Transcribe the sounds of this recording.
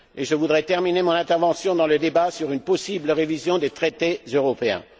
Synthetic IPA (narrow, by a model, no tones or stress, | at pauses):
eʒəvud̪ʁɛt̪ɛʁminemɔ̃nɛ̃t̪ɛʁvɑ̃sjɔ̃d̪ɑ̃ləd̪ebasyʁynpɔsibləʁevizjɔ̃d̪et̪χet̪ezøʁɔpeɛ̰̃